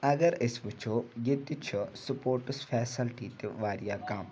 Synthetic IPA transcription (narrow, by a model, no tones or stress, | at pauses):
ɐɡɐɾɪsbʊt͡ʃʰoːjɪt̪it͡ʃʰusʊpoːɾʈəsfʰɛːsəlʈiːt̪eʋaːɾijaːkam